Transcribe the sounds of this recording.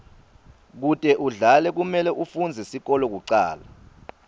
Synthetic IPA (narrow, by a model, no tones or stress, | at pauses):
k̬utʼɛʔuɮalɛk̬umɛlɛʔufund͡zʱɛsik̬ɔlɔk̬uǀa̰ːla